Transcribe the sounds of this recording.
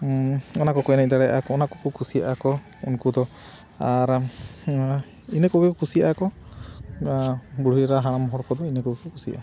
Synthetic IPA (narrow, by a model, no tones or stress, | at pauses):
ɔnakɔkɔjnad̪aɽɛʔakɔːnakɔkukʰusia̰ʔakɔ | unkud̪ɔ | aɾ | inekɔbikɔkusiakɔ | buɽ̤iɾaɦaɽ̃amɔɦɔɽkɔd̪ɔinekɔbikɔkusiʔa̰